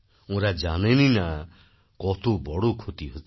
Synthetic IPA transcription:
ũɾad͡ʒanenina | kɔt̪obɔɽokʰot̪iɦot͡ʃ

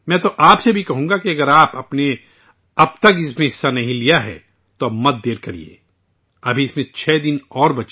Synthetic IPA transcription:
mɛ̃ːt̪oʔaːpsebʱikɐɦũːŋɡakiɐɡəɾaːpɐpne | ɐbt̪ɐkɪsmẽɦɪsːanɐɦĩlijaɦɛ̰ | t̪omɐt̪̚d̪eːɾkɐɾḭḛː | ɐbʱiɪsmẽt͡ʃʰɛːd̪ɪnɔːɾbɐt͡ʃ

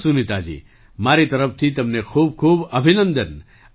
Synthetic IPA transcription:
sunit̪aːd͡ʒḭː | maːɾit̪ɐɾəf̚t̪ʰit̪ɐmnekʰuːb̚kʰuːbɐbʱinə̃nd̪ən

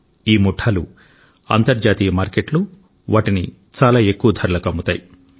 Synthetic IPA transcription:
iːmuʈʰːɐlu | ɐ̰nt̪ɐɾd͡ʒaːt̪iːjɐmaːɾkeʈlu | ʋaːʈini | t͡ʃaːlaːe̞kːuʋɐd̪ʱɐɾlɐkɐmːut̪a̰ːji

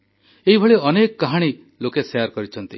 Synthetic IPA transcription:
eɦibʱɔɭeɔnekɔkaɦaɽ̃i | lokesejaɾkɔɾit͡ʃʰɔnt̪ḭ

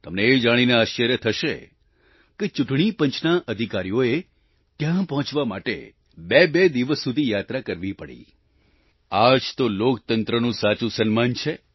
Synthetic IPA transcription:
t̪əmneːd͡ʒaɽ̃ineaʃəɾjət̪ʰəʃe | ket͡ʃuʈɳ̃ipə̃ɲt͡ʃʰnaʔəd̪ʱikaɾijoe | t̪jãpəɦɔ̃t͡ʃʋama̰ʈḛ | bebed̪iʋəsːud̪ʱijat̪ɾakəɾʋipəɽḭ | ad͡ʒt̪olokt̪ənt̪ɾənũsat͡ʃũsənmant͡ʃʰe

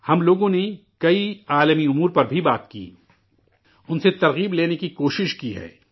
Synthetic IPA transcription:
hɐmloːɡõne | kɐiaːləmiʊmuːɾpɐɾbʱibaːt̪kḭː | ʊnset̪ɐɾɣiːbleːnekikoːʃɪʃkiɦɛ̰ː

